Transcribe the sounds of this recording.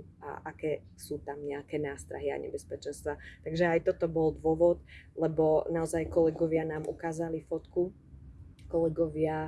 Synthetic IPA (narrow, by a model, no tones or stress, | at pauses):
a̰ʔakɛː | suːt̪amɲɛakɛːnaːst̪ɾa̰ɦia̰ɲɛ̰bɛspɛt͡ʃɛnst̪ʋat̪aɡʒɛajt̪ɔt̪ɔbɔld̪ʋʊɔʋɔt̪lɛbɔnaɔzajkɔlɛɡɔʋɪanaːmʔukaːzalifɔt̪ku | kɔlɛɡɔʋɪa